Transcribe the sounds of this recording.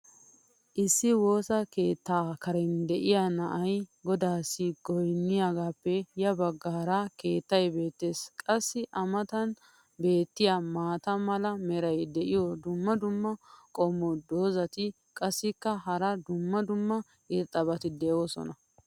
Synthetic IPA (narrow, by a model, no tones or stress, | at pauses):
ʔɪsːɪwo̞ːsɐke̞ːt̪ːaːkɐɾɛnd̪ɛʔɪjanɐʔɐjɡɔd̪aːsːɪɡɔjnːɪjaɡaːpːɛjɐbɐɡːaːɾɐke̞ːt̪ːɐjbe̞ːt̪ːe̞ːskʼɐsːɪʔɐmɐt̪ɐn | be̞ːt̪ːɪjamaːt̪ɐmɐlɐmɛɾɐjd̪ɛʔɪjɔd̪ʊmːɐd̪ʊmːɐkʼɔmːɔd̪oːzɐt̪ɪ | kʼɐsːɪkːɐɦɐɾɐd̪ʊmːɐd̪ʊmːɐ | ɪɾt̪ʼːɐbɐt̪ɪd̪ɛɔsɔ̰nɐ